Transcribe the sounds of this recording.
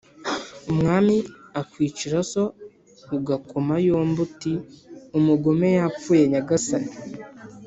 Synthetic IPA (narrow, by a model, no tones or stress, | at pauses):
umŋaːmiakwiːt͡ʃiɾaso̞ | uɡakomajoːmbutiumuɡome̞jap͡fuːje̞ɲaɡasani